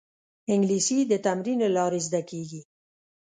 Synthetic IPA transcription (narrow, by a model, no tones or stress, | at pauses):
ɪŋɡlisid̪ət̪amɾinolɑɾezd̪akeɡi